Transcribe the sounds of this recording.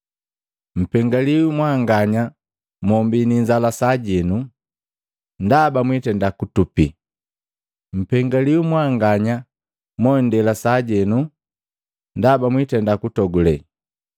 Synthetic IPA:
m̩pɛŋɡaliumwaŋɡaɲa | mɔmbiniɲd͡ʒalasaɟɛnu | ndabamwitɛndakutupi | m̩pɛŋɡaliumwaŋɡaɲa | mɔndɛlasaɟɛnu | ndabamwitɛndakutɔɡulɛ

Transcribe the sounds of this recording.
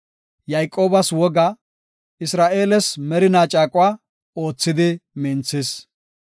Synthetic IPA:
jɐjkʼːo̞ːbɐswɔɡɐ | ɪsɾaːʔe̞ːlɛsmɛɾɪnaːt͡ʃʼaːkʼʊwaː | o̞ːt͡sːɪd̪ɪmɪnt͡sːɪs

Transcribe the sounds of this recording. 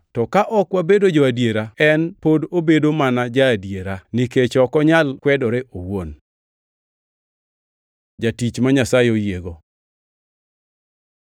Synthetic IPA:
tɔkaʔɔkwabedod͡ʒɔadjeɾaɛnpodobedomanad͡ʒaːdjeɾaniket͡ʃɔkɔɲalkwɛdɔɾeʔowon | d͡ʒatit͡ʃmaɲasajeojeɡo

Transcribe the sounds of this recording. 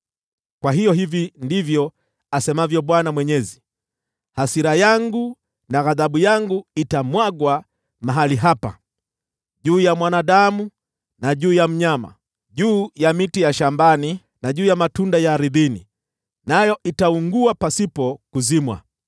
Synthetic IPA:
kwaɦijɔɦivindivjɔ | asɛmavjɔɓwanamwɛɲɛzi | hasiɾajaŋɡu | naɣaðaɓujaŋɡuitamwaɡwa | maɦaliɦapa̰ | ʄuːjamwanaɗamu | naʄuːjam̩ɲama̰ | ʄuːjamitijaʃambani | naʄuːjamatundajaːɾiðinḭ | najɔʔitauŋɡuapasipɔkuzimwa̰

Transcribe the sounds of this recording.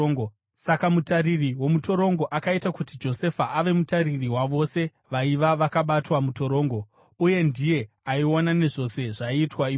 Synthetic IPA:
sakamutaririwo̞muto̞ɾo̞ŋɡo̞ʔakaitakutid͡ʒo̞se̞faʔaʋe̞mutaririwaʋo̞se̞ | ʋaiʋaʋakaɓatwamuto̞ɾo̞ːŋɡo̞ | uje̞ndije̞ | aionane̞ʐo̞se̞ʐaiːtwai

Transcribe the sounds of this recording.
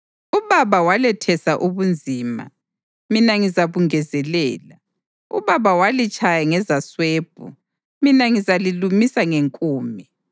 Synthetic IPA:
uβaβawalɛtʰɛsaʔuβund͡zʱiːma̰ | minaŋizaβuŋɛzɛlɛːla | ṵβaβawalit͡ʃʼajaŋɛzasweːb̥ʱṵ | minaŋizalilumisaŋeŋkʼuːmɛ

